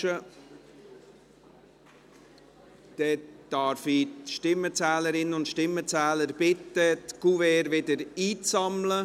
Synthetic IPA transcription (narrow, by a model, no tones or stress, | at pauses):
ə | d̥ɛd̪̥ɑɾfiʃtɪmət͡sɛːləɾɪnəʊntʃtɪmːət͡sɛːləɾb̥ɪt̪ːətɡ̥uvɛːɾʋɪdəɾiːt͡sɑmlə